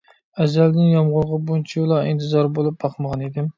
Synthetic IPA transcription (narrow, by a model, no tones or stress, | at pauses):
æzæld̪ɪnjɑmʁʊɾˠʁəbunt͡ʃʰiulˠɑḭnt̪ʰɨzɑɾbolˠup̚bɑχməʁɑned̪ɪm